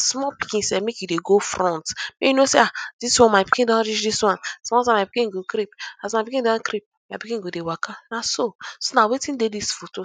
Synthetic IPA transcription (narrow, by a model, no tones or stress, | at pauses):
smɔpi̥kĩnsɛmekjudeɡofɾɔ̃ntmejinosead̥iswɔ̃nmapi̥kĩdãnɾit͡ʃdiswɔ̃nsmɔtãmapi̥kĩɡokɾipasmapikĩdãnkɾip̚mapikĩnɡodewakʰanasosonawetĩndedisfoto